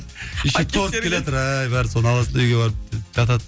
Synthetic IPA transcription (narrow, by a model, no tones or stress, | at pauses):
ɪʃɪk̚t̪ʰoɾʰʲelet̪ʊɾajbæɾsonəɑlˠɑsnayjɡʲebɑɾp̪̚d͡ʒɑt̪ɑt̪